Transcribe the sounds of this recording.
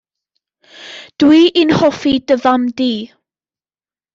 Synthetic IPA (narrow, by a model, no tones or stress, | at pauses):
d̥wiːʔinhɔfidəvamdiː